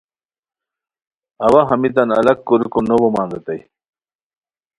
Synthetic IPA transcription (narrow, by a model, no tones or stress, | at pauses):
ɐwaɦɐmit̪ɐnɐ̰lɐkkuɾukonobomaːnd̪ɐt̪aj